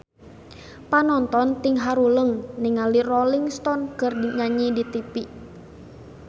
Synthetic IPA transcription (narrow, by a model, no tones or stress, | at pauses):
panɔnt̪ɔnt̪iŋɦaɾuləŋnɛŋalirɔliŋst̪ɔnkərdiŋaɲidit̪ipiʔ